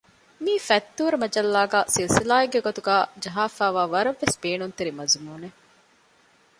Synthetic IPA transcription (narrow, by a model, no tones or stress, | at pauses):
miːfɐt̪ːuːɾɐmɐd͡ʒɐlːaːɡaːsilsilaːiɡeɡot̪uɡæːd͡ʒɐɦaːfæːʋaːʋɐɾɐʋːesbeːnunt̪eɾimɐzumuːne